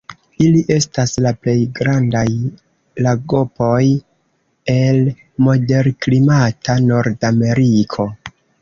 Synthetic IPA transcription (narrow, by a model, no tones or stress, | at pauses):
iliʔe̞staslaple̞jɡɾandaj | laɡo̞po̞j | e̞l | mo̞de̞ɾklimatʰano̞ɾdame̞ɾikʰo̞